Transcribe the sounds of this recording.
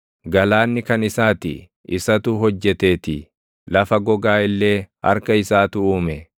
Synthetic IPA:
ɡɐlaːnːɪkɐnɪsaːt̪ɪ̰ | ɪsɐt̪uɦɔd͡ʒːɛt̪e̞ːt̪ɪ | lɐfɐɡɔɡaːɪlːe̞ːɐ̰ɾkɐɪsaːt̪ʊuːmɛ

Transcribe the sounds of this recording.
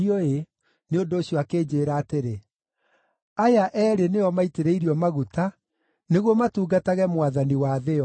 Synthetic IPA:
iɔe | neondoːɕjɔakeːd͡ʑeːɾaːteɾe | ajaʔɛːɾenejɔmaiteɾeiɾiɔmaɣuta | neɣwɔmatuːɡataɣɛmwaðaniwaðeɔ

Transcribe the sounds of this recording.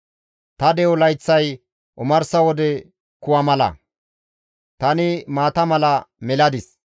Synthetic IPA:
t̪ɐd̪ɛwɔlɐjt͡sːɐj | ʔʊmɐɾsɐwɔd̪ɛ | kʊwɐmɐlɐ̰ | t̪ɐnɪmaːt̪ɐmɐlɐmɛlɐd̪ɪs

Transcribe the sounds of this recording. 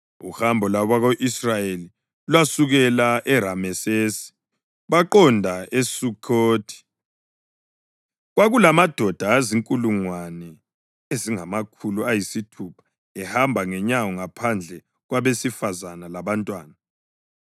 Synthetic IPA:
ṵhambʱɔlaβaɣoʔisrajeli | lwasuɣɛlaʔɛɾamɛseːsi̥ | βaǃɔndʱaesukʰoːtʰi̥ | ɣwaɣulamad̥ʱɔd̥ʱaːziŋkʼuluŋwanɛ | eziŋamakʰuluajisitʰupʰḁ | ɛhambʱaŋɛɲawɔŋapʰand͡ɮʱɛ | ɣwaβesifazanalaβantʼwaːna

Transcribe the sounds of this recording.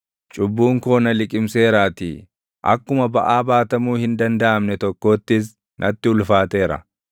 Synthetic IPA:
t͡ʃʼʊbːuːŋko̞ːnɐlɪkʼɪmse̞ːɾaːt̪ɪ̰ | ʔɐ̰kːʊmɐbɐʔaːbaːt̪ɐmuːhɪnd̪ɐnd̪ɐʔɐmnɛt̪ɔkːo̞ːt̪ːɪs̬ | nʔɐt̪ːɪʊlfaːt̪e̞ːɾɐ̰

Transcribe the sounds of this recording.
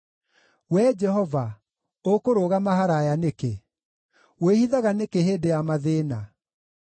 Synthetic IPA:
wɛd͡ʒɛɦɔva | okoɾoɣamaɦaɾajaneke | wehiðaɣanekeɦeːdejamaðeːna

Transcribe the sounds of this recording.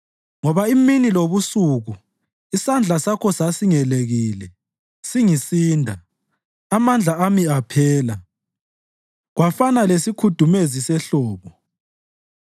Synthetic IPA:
ŋɔβaiminiloβusuɣu | isand͡ɮʱasakʰɔsasiŋɛleɣiːlɛ | siŋisiːndʱa | amand͡ɮʱaamiapʰɛːla | ɣwafanalesikʰud̥ʱumezisɛɬɔːβɔ

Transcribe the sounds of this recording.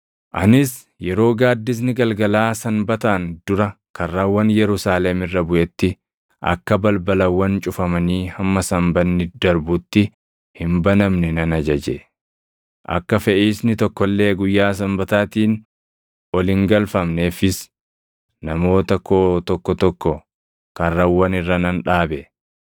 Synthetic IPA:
ʔɐnɪs | jɛɾo̞ːɡaːd̪ːɪs̬nɪɡɐlɡɐlaːsɐmbɐt̪aːnd̪ʊɾɐ | kʰɐrːaːwɐnjɛɾʊsaːlɛmɪrːɐbʊʔɛt̪ːɪ | ʔɐ̰kːɐbɐlbɐlɐwːɐnt͡ʃʼʊfɐmɐniːhɐmːɐsɐmbɐnːɪd̪ɐɾbʊt̪ːɪ | hɪmbɐnɐmnɛnɐnɐd͡ʒɐd͡ʒɛ | ʔɐ̰kːɐfɛʔiːsnɪt̪ɔkːɔlːe̞ːɡʊjːaːs̬ɐmbɐt̪aːt̪iːn | ʔɔlɪŋɡɐlfɐmnefɪs | nɐmo̞ːt̪ɐkʰoːt̪ɔkːɔt̪ɔkːɔ | kɐrːɐwːɐnɪrːɐnɐnᶑaːbɛ

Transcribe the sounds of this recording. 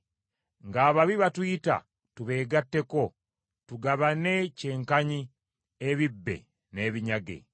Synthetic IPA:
ŋɡaːβaβiβatwita̰ | tuβe̞ːɡatːe̞ko̞ | tuɡaβane̞ce̞ːŋkaɲi | eβibːe̞̰ | ne̞ːβiɲaɡe̞̰

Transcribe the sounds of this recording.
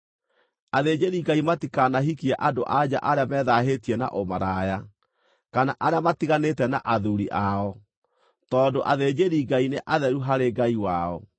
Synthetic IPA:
aðed͡ʑeɾiɡaimatikanaɦikiaʔadoʔad͡ʑa̰ʔaɾeamɛːðaɦetiɛna̰ʔomaɾaja | kanaʔaɾeamatiɣanetɛnaʔaðuɾiʔaɔ | tɔːdoʔaðed͡ʑeɾiɡaineʔaðɛɾuɦaɾeɡaiwaɔ

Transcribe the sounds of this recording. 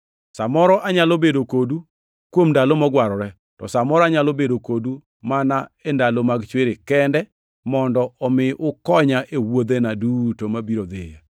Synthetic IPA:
samɔɾɔʔaɲalobedokodu | kwomndalomɔɡwaɾɔɾɛ | tɔsamɔɾɔaɲalobedokodu | manaendalomaɡt͡ʃweɾekɛndɛ | mɔndɔɔmɪʔʊkɔɲaʔewod̪enadutomabiɾod̪ɪja

